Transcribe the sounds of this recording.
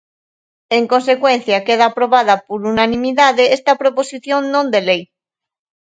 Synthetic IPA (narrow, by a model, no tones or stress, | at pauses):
eŋko̞nsekwen̟θjakeð̞aːpɾo̞βaðapoɾunanĩmiðaðeest̪apɾoposiθjõnnõnd̪elej